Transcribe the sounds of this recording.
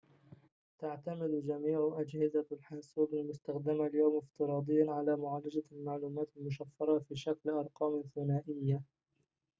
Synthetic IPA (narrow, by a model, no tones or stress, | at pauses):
t̪aʕt̪amɪd̪d͡ʒamiːʕʊʔad͡ʒhɪzalħansuːbɪlmʊst̪axd̪ɪmaljawmɪft̪ɨɾˤɑːd̪ˤɨjːanʕalaːmʊʕaːlad͡ʒalmaʕluːmaːt̪almʊʃafːɑɾˤɑfiːʃaklʔɑɾˤqɑːmθʊnaːʔɪjːa